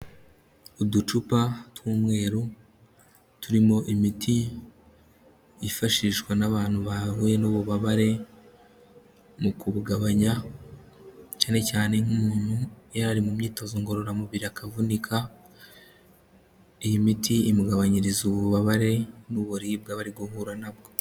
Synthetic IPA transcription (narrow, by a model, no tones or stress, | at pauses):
udut͡ʃupatwuːmŋe̞ːɾu | tuɾimo̞ʔimitʰi | ifaʃiʃkwanaβaːn̥huβahuːje̞nuːβuβaβaɾe̞ | mukuβuɡaβaɲa | caːne̞caːne̞ŋumuːn̥hujaɾaɾimumɲiːto̞zoŋɡo̞ɾo̞ɾamuβiɾiakʰavunikʰa | ijimitʰiːmuɡaβaɲiɾizuβuβaβaɾe̞nuβoɾib̚ɡaβaɾiɡoɦuɾanabɡo̞